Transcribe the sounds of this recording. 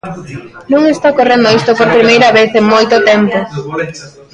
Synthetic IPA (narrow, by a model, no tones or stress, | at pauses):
nõŋest̪akorend̪oist̪opoɾpɾimejɾɐβ̞eθeŋmojt̪ʊt̪ɛmpo